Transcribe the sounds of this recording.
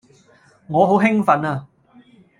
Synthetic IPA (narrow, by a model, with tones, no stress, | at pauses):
ŋɔː˨˧ɦo˨˥wɦɪ˥ŋfɐ˨˥naː˧